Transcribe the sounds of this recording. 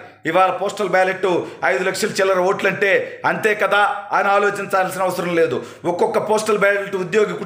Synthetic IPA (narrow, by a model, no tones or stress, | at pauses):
iʋaːlɐpoːsʈɐlbɛːleʈːuɐjd̪ulɐkʂɐlɐt͡ʃɛlɐɾɐoːʈlɐɳʈe̞ːɐnt̪eːkɐd̪aːaːjnɐaːlo̞ːt͡ʃint͡ʃaːls̬inɐʋɐsɐɾɐ̃mle̞ːd̪u | ɔkːɔkːɐpoːsʈɐlbaːlʈuud̪joːɡiku